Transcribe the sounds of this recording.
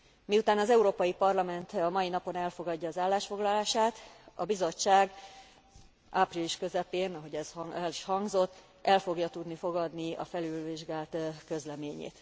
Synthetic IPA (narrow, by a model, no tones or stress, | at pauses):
miut̪aːnɒzɛuɾoːpɒjipɒrlɒmɛnt̪ɒmɒjinɒpo̞nɛlfo̞ɡɒɟːɒːzaːlːaːʃfo̞ɡlɒlaːʃaːt̪ɒ̰bizo̞t͡ʃːaːɡ | ʔapriliʃkø̞zɛpeːnɒɦo̞ɟɛzhliʃhɒŋɡzo̞t̪ː | ʔɛlfo̞ɡjɒt̪ud̪nifo̞ɡɒd̪niɒ̰fɛlylviʒɡaːlt̪kø̞zlɛmeːɲḛːt̪